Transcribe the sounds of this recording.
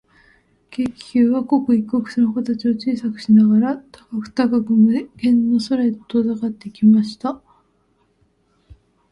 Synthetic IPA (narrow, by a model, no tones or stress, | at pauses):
kekʲi̥kʲɨːβako̞kɯ̟ikɯokɯ̟̥senokot̪at͡ɕio̞t͡ɕiːsakɯ̟̥ɕinaɡaɾat̪akakɯ̟̥t̪akakɯ̟mɯɡẽ̞nːo̞soɾet̪ːozakat̪ːe̞ikʲimaɕi̥t̪a